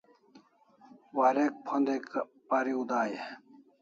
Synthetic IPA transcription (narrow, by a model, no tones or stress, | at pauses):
waːɾek̚pʰond̪ek | paːɾiud̪aːje